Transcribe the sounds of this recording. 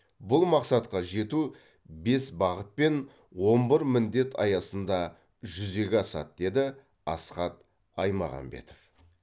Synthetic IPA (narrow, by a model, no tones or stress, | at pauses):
bʊlˠmɑqsɑt̪qɑʒe̞t̪u | be̞sbɑʁət̪̚pe̞n | wo̞mbəɾmɪnd̪e̞t̪ʰɑ̰jɑsənd̪ɑ | ʒʏze̞ɡʲɪɑsɑ̰t̪̚d̪̥e̞d̪ɪ | ɑsqɑt̪ | ɑjmɑ̰ʁɑ̰mbe̞̰t̪o̥f